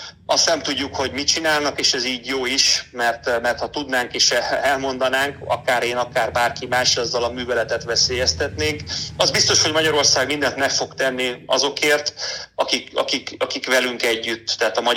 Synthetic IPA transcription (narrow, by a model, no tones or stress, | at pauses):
ɒst̪nɛmt̪uɟːukho̞ɟmit͡ʃinaːlnɒkeːʃɛziːɟjoːiʃmɛrt̪mɛrt̪hɒt̪ud̪naːŋkeːʃɛlmo̞nd̪ɒnaːŋkɒ̰kaːɾeːnɒkaːrbaːrkimaːʃɒzːɒlɒmyːvɛlɛt̪ɛt̪ʋɛseːjɛst̪ɛt̪neːŋkɒzbist̪o̞ʃho̞ɟmɒɟɒɾo̞rsaːɡmind̪ɛnt̪nɛfo̞kt̪ɛnːiɒ̰zo̞keːrt̪ɒkikɒ̰kikɒkikʋɛlyŋkɛɟːyt̪ːɛɦaːt̪ɒmɒ